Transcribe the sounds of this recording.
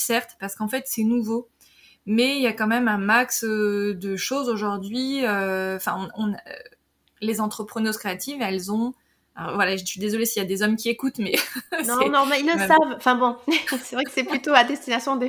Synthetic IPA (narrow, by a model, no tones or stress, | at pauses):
sɛʁt̪paʁsə̥kɑ̃fɛt̪sɛnuvo | mɛiljakɑ̃mɛmɛ̃maksd̪əʃozoʒuʁd̪ɥiøɑ̃fɛ̃ɔ̃nɔ̃nø̰ | lezɑ̃t̪χəpχənoskχeat̪ivɛlzɔ̃ | alɔ̰ʁvwalaʒəʃɥid̪ezɔlesiljad̪ezɔmkʲiekut̪mɛnɔ̃ɛnɔ̃malilːəmɛsavɑ̃fɛ̃bɔ̃sɛvʁɛksɛplyt̪oad̪ɛst̪inasjɔ̃d̪e